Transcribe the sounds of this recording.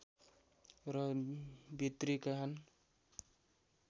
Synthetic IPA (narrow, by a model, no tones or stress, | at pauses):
ɾʌbit̪ɾikaɦʌn